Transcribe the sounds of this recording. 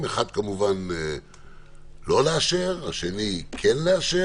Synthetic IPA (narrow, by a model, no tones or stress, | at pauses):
meχad̪̚kamuvane | lo̞leaʃeʁaʃe̞nikʰenleaʃe